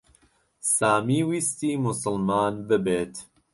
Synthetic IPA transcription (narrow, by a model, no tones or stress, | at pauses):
saːmiːwiːst̪iːmʊsʊlmaːnbɨbeːt̪